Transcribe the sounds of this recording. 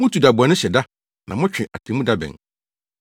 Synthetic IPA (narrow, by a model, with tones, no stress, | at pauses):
mʊ̃˦tʰu˨da˨bʊ˨a˨nʊ̃˦ɕɛ˨da˦ | nʔã̰˨mʊ̃˦t͡ɕᶣɪ̃˨ʔa̰˨tʰẽ˨mũ˦da˦bɛ̰̃˨n